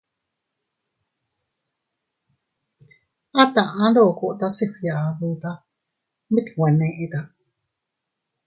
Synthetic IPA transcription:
a˦t̪a˨ʔã˦ɾo˦˨ko˧ʔt̪a˦si˧ɸi˧ja˨ʔðu˧t̪a˦ | mĩ˦t̪we˨nẽ˧ʔi˧t̪a˧

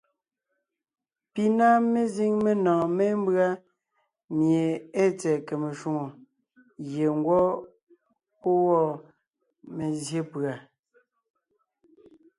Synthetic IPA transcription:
pi˦na˦me˦zi˦ŋme˨nɔ̃ː˨mɛ˦m˦bɰa˦ | mje˨e˦t͡sɛ˨ke˨me˨ʃu˦ŋo˨ | ɣje˨ŋ˦ɡwɔ˦ | po˦wɔ˦˨ | me˨zje˦pɰa˨

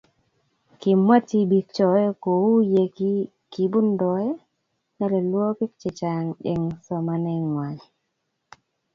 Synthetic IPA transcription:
ki˨mːa˦ti˦bi˨k̚t͡ʃɔ˨ɛ˦ko˨wu˦je˨ki˦ | ki˨bu˦ndɔ˨ɛ˦ | na˦lɛ˨lwɔ˦ki˦k̚t͡ʃɪ˨t͡ʃa˨ŋḛ˨ŋsɔ˨ma˨nɛ˦ŋːwa˨ɲ

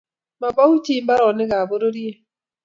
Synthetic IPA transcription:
ma˨ba˦hu˦t͡ʃi˦mba˦ɾɔ˨nɪ˦ɣa˨bo˦ɾo˦ɾi˦e˦

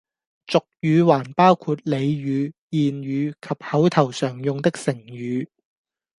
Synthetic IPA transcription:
t͡sʊ˨k̚jyː˨˧waː˨˩npaː˥wkʰuː˧t̚le˨˧jjyː˨˧jiː˨nɥyː˨˧kʰɐ˨p̚hɐ˨˥wt̪ʰɐ˨˩wsœː˨˩ŋjʊ˨ŋt̪ɪ˥k̚sɪ˨˩ŋjyː˨˧

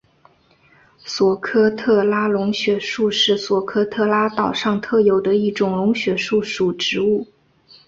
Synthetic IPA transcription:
swɔ˨˩kʰɤ˥t̪ʰɤ˥˩la˥lʊ˧˥ŋɕɥɛ˧˥ʂu˥˧ʂɻ̩˥˩swɔ˨˩kʰɤ˥t̪ʰɤ˥˩la˥t̪ɑ˨˩ʊʂɑ˥˧ŋt̪ʰɤ˥˩jo˨˩ʊd̪ə˧i˥˩ʈ͡ʂʊ˨˩ŋlʊ˧˥ŋɕɥɛ˧˥ʂu˥˩ʂu˨˩ʈ͡ʂɻ̩˧˥u˥˩

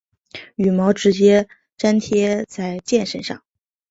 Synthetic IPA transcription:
y˨˩mɑ˧˥ʊʈ͡ʂɻ̩˧˥t͡ɕjɛ˥ | ʈ͡ʂa˥nt̪ʰjɛ˥t͡sa˥˧ɪt͡ɕjɛ˥˧nʂə˥nʂɑ̰˥˩ŋ

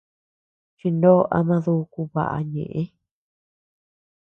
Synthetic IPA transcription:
t͡ʃi˧ndõ˦ʔa̰˧mã˧ðu˦˧ku˧βa̰˨ʔa̰˧ɲḛ̃˨ʔẽ˦

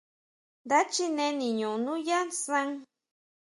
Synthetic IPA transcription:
d̪a˦t͡ʃi˦nẽ˧nĩ˨ɲũ˨nũ˦ja˦sã˦ŋ

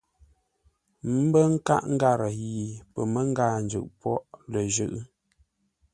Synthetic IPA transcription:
m̩˦bə˦ŋ̩˦ka̰˦ʔŋ̩˦ɡa˦˨ɾə˨ji˨pə˨mə˦ŋ̩˦ɡa˦˨nd͡ʒʉ̰˨ʔpwɔ˦ʔlə˨ʒʉ˦˨ʔ

